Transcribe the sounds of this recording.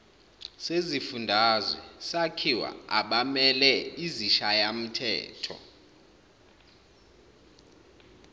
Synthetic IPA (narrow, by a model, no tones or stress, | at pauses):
sezifundʱazwɛsakʰiwa̰aɓamɛlɛiziʃajam̩tʰɛ̰ːtʰɔ̰